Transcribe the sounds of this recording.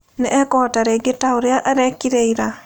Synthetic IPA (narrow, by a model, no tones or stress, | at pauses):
neʔɛkɔtaɾeɡetaoɾeaʔaɾɛkiɾeiɾa